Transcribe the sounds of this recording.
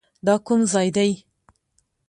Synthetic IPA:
d̪ɑkʊmzɑjd̪aj

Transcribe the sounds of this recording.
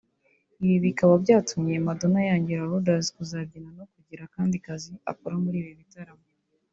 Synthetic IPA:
iβiβikaβabɟaːtumɲijemado̞najaːɲɟiɾaɦudazkuzabɟinano̞kuɟiɾakaːndikazia̰koɾamuɾiːβoβitaɾamo

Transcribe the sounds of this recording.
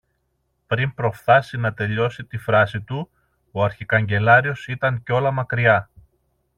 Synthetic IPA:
pɾimpɾo̞fθɐsinɐt̪e̞ʎo̞sit̪ifɾɐsit̪u | oɐɾçikɐɲɟe̞lɐɾio̞sit̪ɐɲco̞lɐmɐkɾiɐ

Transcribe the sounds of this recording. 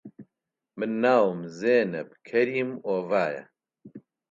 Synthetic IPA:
mɨnːaːwmzeːnɛbkʰɐɾiːmoːvaːjɐ̰

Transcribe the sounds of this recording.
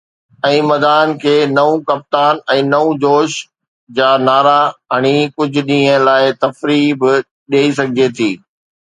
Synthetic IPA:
ɛ̃ːmɐd̪aːnkʰeːnɐũkɐp̚t̪aːnɛ̃ːnɐũd͡ʑoːʃ | d͡ʑaːnaːɾaɦɐɽ̃ikʊd͡ʑʱʊ̆ɗĩːɦə̃laːɪt̪ɐfɾiːbɪ | ɗeːis̬ɐɡʱɪd͡ʑet̪ʰiː

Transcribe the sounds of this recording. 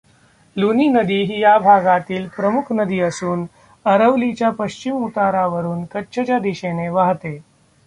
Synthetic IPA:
luniːnəd̪iːɦijabʱaɡat̪iːlpɾəmukʰnəd̪iːəsuːn | əɾəʋlit͡ɕjapəɕt͡ɕimut̪aɾaʋəɾuːnkətːɕʰət͡ɕjad̪iɕeneʋaɦt̪e

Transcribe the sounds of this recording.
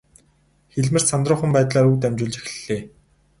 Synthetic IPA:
xeɮmɘ̆r̥sant̪rʊːχə̆mpæːt̪ɮaːɾuːt̪̬æmt͡ɕʊːɮt͡ɕe̥xɘ̥̆ɮeː

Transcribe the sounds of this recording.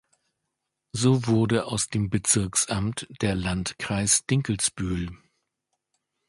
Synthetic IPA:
zoːvʊɐdəaʊsd̥eːmbət͡sɪɐksʔamtd̥eːɐlantkʁ̥aɪsd̥ɪŋkl̩sb̥yːl

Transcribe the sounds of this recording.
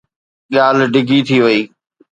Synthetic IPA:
ɗɪjaːlɖɪɡʱit̪ʰiʋɐiː

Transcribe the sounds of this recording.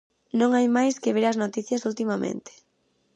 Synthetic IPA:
nõŋajmajskeβ̞eɾaznot̪iθjɐsult̪imamḛ̃nt̪ɪ̥

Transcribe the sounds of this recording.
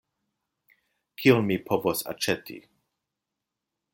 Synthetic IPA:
kʰionmipʰovosa̰t͡ʃetḭ

